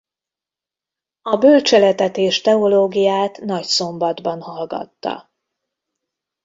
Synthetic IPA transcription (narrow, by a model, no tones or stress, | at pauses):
ɒbølt͡ʃɛlɛt̪ɛt̪eːʃt̪ɛoloːɡijaːt̪nɒcso̞mbɒd̪bɒnhɒlɡɒ̰t̪ːɒ̰